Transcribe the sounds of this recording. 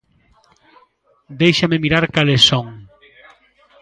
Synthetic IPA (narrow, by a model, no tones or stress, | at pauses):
d̪ejʃamemiɾaɾkalesoŋ